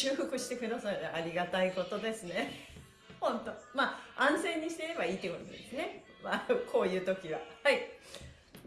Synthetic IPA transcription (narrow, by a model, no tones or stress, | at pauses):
ɨːhɯkɯɕi̥t̪e̞kɯɾd̪asaɾd̪eʔaɾʲiɡat̪aiko̞t̪o̞d̪e̞sɨne̞ | hõ̞nt̪o̞maːãɰ̃zẽ̞ɲ̟ːiɕi̥t̪eiɾe̞baiːt̪ːekot̪oa̰d̪esɨne̞ | makʰo̞ːjɯ̟ːt̪o̞kʲiβahai